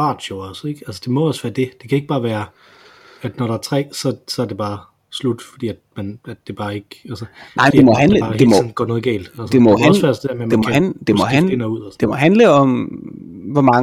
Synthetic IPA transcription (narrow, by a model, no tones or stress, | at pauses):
ɑ̰̈ːd̥oɒseɡ̥ælsə̥d̥e̝mɒ̽ɒ̽sʋæːɐd̥e̝d̥e̝kʰæe̝ɡ̥̚b̥ɑ̈ːʋæːɐ | æd̥nɒɾɑ̈æɐt͡sʰʁɛ̰ːsɒ̽sɒæɐd̥e̝b̥ɑ̈ː | slud̥fɒd̥ḭːæd̥mænæd̥ːe̝b̥ɑ̈ːe̝ɡ̥ælsənɑ̈ɪ̰d̥emɒ̽ɦænəd̥emɒn̩ɡ̥ɒ̰ːnɔ̽ːð̩ˠɡɛ̰ːld̥æl̥emɒ̽hæsʋæsd̥edeɐmem̥emɒhænd̥emɒ̽ɦæenuð̰ˠsd̥e̝mɒ̽ɦænləɒ̽m | ʋɒmɑ̈ŋ